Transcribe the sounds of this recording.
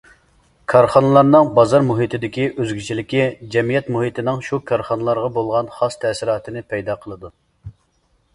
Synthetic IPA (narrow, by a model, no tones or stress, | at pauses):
kʰɑɾχɑnɨlˠɑɾnɨŋbɑzɑɾmuɦit̪ɪd̪ɪkʲiʔøzɡʲyt͡ʃʰilɪkʲid͡ʒɛmijɛt̪muɦit̪ɪnɪŋʃukʰɑɾχɑnɨlˠɑɾʁɑbolˠʁɑnχɑst̪ʰɛsiɾɑːt̪ʰɨnɪpʰɛjd̪ɑqʰəlˠɨd̪u